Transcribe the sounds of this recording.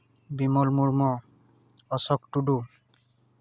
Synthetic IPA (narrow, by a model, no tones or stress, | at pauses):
bimɔlmuɹmɔ | ɔsɔk̚tudu